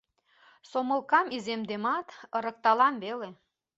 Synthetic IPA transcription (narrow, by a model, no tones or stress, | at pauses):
somə̆lˠkɑmizemd̪emɑt̪əɾə̆k̚t̪ɑlɑmβele